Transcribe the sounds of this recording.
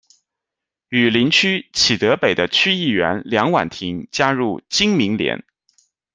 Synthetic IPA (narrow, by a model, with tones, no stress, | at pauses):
y˨˩li˧˥nt͡ɕʰy˥t͡ɕʰi˨˩t̪ɤ˧˥pe˨˩ɪd̪ə˦t͡ɕʰy˥i˥˩ɥɛ̰˧˥nljɑ˧˥ŋwa̰˨˩nt̪ʰi˧˥ŋt͡ɕja˥ɻu˥˩t͡ɕi˥ŋmi˧˥ŋljɛ̰˧˥n